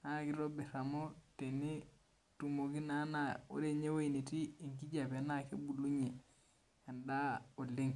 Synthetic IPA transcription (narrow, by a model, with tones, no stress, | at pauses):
na˦ki˦ɾo˦bi˨ɾa˨mo˦te˨ni˦ | tu˨mo˨ki˦na˦na˨o̰˦ɾe˦˨ɲe˦wo˦i˨ni˨ti˦i˨ŋki˦d͡ʒa˨pe˨˦na˦ke˦bu˨lu˦ɲe˨ | a˨nda˦o˨lːi˦ŋ